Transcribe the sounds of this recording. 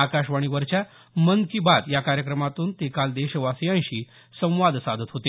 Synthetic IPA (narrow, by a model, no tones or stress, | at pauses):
akaɕʋaɽ̃iʋəɾt͡ɕa | mənkibat̪jakaɾjəkɾəmat̪uːnt̪ekald̪eɕəʋasjãjɕiː | sə̃w̃ʋad̪ʱsad̪ʱət̪ɦot̪e